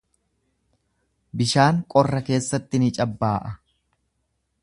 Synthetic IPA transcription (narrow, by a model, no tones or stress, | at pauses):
bɪʃaːŋkʼɔrːɐke̞ːsːɐt̪ːɪnɪt͡ʃʼɐbːaːʔɐ